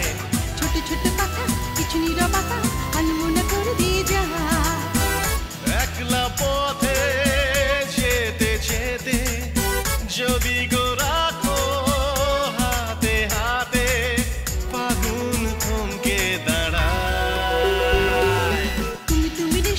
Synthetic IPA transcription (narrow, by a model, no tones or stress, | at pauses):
t͡ʃʰoʈet͡ʃʰoʈːepakakɪt͡ʃʰuniɾɔbak̪aɐnumonepoɾd̪id̪aɦa | ɛklapɔt̪ʰe | d͡ʒet̪et͡ʃʰet̪e | d͡ʒod̪iɡoɾako | ɦat̪eɦat̪e | paɡunkʰomked̪aɽa | t̪umit̪umine